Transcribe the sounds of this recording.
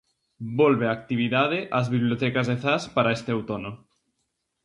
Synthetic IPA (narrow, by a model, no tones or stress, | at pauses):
bolβeak̚t̪iβiðaðeʔazβiβ̞liot̪ɛkazðeθaspaɾaest̪eawt̪ono